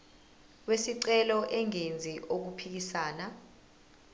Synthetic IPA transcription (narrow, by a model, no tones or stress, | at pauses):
wesiǀɛlɔʔɛŋend͡zʱiʔok̬upʰik̬isaːna